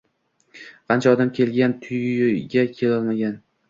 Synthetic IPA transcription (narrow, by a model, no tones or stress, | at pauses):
qʰɑnt͡ʃʰaɒd̪amkʲʰe̞lɡʲant̪ʰʊjɡʲakʲʰe̞lɒlˠmaɡʲan